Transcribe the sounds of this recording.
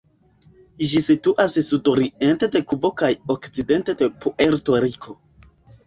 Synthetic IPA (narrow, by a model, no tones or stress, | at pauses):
ʒisituʔassudoɾiente̞de̞kubo̞kajokt͡side̞nte̞de̞pʰoʔeɾto̞ɾikʰo̞